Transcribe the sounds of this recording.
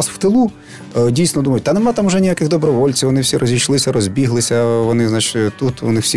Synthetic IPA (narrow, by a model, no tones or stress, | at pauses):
sw̥t̪ɪlˠu | dʲijsnɔd̪umɐjʊt̚ʲt̪ɐnemɑt̪ɑmʊʒɛnʲijakɪɣd̪ɔbɾɔʋɔlʲt͡sʲiwʋɔnɪwsʲiɾɔzʲiʃlˠɪsʲɐɾɔzʲbʲiɦlˠɪsʲɐʋɔnɪznat͡ʃɪ̥t̪ut̪ʋɔ̰nɪwsʲi